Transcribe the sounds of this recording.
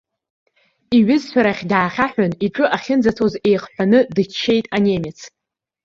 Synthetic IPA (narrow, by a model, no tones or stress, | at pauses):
iɥɪzħʷᶣaɾaχʲdaːχʲaħʷᶣaniʈ͡ʂʼɨʔaχʲɪnd͡zatʰo̞ze̞jχħʷᶣanɨdɨt͡ʃʰːe̞jtʼanʲemʲɪt͡sʰ